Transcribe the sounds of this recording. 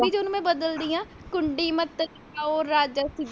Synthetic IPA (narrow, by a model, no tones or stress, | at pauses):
iːd͡ʒʊnũːmɛ̃ːbəd̪əld̪iːjãːkʊɳɖiːmət̪ːəɾ | aːoːɾːaːd͡ʒaːsɪ